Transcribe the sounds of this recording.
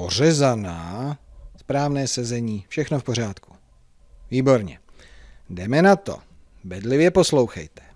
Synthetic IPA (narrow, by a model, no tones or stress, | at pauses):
or̝ɛzanaːspɾaːvnɛːsɛzɛɲiːfʃɛxnofpo̞ɾ̝aːt̪ku̥ | viːbo̞ɾɲɛ̰ | dɛmɛnat̪o̞̰ | bɛdlɪvjɛpo̞slowxɛ̰jt̪ɛ̥